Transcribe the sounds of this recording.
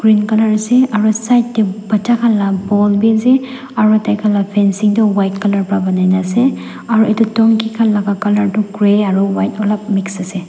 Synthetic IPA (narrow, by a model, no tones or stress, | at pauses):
ɡ̥ɹinkalaɹasɛaɹusajtːɛbatakʰalːabɔlbizɛ | aɹutajkʰalapʰɛnsiŋtɔwajt̚kalaɹpɹabanajnasɛ | aɹuʔɛtutɔŋkikʰanlaɡakalaɹtʊkɹɛaɹuwajt̚ɔlap̚miksasɛ